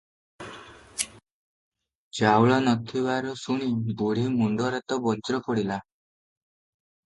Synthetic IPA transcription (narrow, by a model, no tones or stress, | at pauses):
d͡ʒawɭɔnɔt̪ʰibaɾɔsuɽ̃iboɽimuɳɖɔɾat̪ɔbɔt͡ʃɾɔpɔɽila